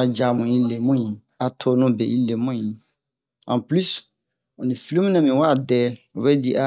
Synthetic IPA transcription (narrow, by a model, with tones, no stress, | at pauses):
a˨d͡ʒa˨mʊ̃˨i˦le˨mũ˦ĩ˨ | a˨tʰo˦nʊ̃˦bɛ˨i˦le˨mũ˦ĩ˨ | ã˨ply˦s | ɔ˨nĩ˨fi˨lũ˦m˦nã˨mĩ˨wa˦˨dɛ˦ɔ˨bɛ˦di˦˨ʔa˦